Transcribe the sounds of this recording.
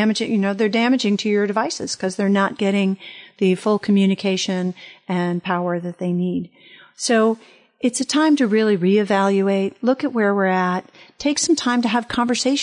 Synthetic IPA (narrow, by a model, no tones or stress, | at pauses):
æmɨd͡ʒɪ̃jɨnoʊðə˞dæmɨd͡ʒɪ̃ŋtʰɨjə˞dɨvaɪsɨ̰z̥kʰʌzðə˞nət̚ɡ̥ɛɾɪ̃ŋðɨfʊlˠkʰm̩jʉñɨkʰeɪʃɨ̃nɨ̃npʰaʊə˞ðɨt̪̚ðeɪnid̥ | soʊ | ɨtsɨtʰãɪ̃mtɨɹɪlˠiɹiɨvælˠjʉeɪt̚lʊkɨʔ̚wə˞wɪɹɨtʰːeɪksʌ̃mtʰãɪ̃mtɨːv̥kʰɑ̃ɱvə˞seɪʃ